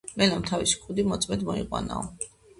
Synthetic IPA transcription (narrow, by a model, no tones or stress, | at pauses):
mɛlamt̪ʰavisi̥kʼud̪imɔt̪sʼmɛd̪mɔḭqʼwa̰na̰ɔ